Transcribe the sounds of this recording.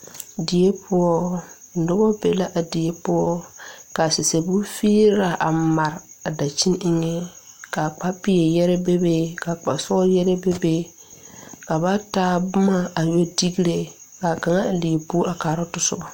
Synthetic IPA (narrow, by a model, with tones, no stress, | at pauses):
di˨je˦pʰʊ˦ɔ˦n̩˨dʊ˦bɔ˦pe˨la˦ʔa˨di˨je˦pʊ˦ɔ˦ka˨sɪ˨se˨bu˦fiː˦ɾa˨ʔa˨ma˨ɾa˨da˨t͡ʃi˦nɪ˦ŋe˦ | ka˨k͡pa˦pi˦jɛ˨jɛ˦ɾɛ˦be˦be˦ka˨k͡pa˨sɔ˦ɔ˦jɛ˦ɾɛ˦be˦be˦ | ka˨ba˦taː˦bʊ˦ma˦a˨jo˦di˦ɡi˦ɾe˨ | ka˨ka˨ŋa˦˨li˨pu˦a˨kaː˨ɾɔ˦tʊ˦sʊ̰˦ba˨